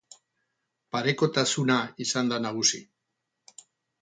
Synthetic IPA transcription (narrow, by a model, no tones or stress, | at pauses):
paɾe̞ko̞t̪asunaisand̪anaɣ̞usḭ